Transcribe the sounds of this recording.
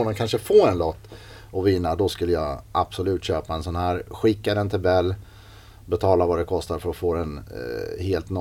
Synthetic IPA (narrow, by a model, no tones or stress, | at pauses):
ɔnamkʰanʂəfoːɛnlɔt̪ː | ɔvɪnːad̪ɔskɵlːəjaʔab̥sɔlʉ̟ːt̪ɕøːpaɛnsɔnhæːɾɧɪkːad̪ɛnt̪ʰɪlbɛlː | bɛt̪ʰɑːlavad̪ɛkʰɔst̪aɾfœɾɔfoːɛnheːlt̪n